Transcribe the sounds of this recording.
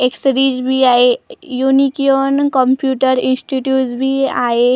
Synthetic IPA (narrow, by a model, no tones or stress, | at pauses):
eksɾiːd͡ʑbʱiaɦejunikionkəmpjuʈəɾinsʈiʈjuːʈsbʱiːaɦe